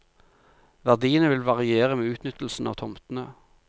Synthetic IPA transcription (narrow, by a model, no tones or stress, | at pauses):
ʋæʁd̪iːənəʋɪlʋɑʁɪeːʁəmeːʉːt̪nʏt̪l̩sn̩ɑːʋt̪ʰɔmt̪nəː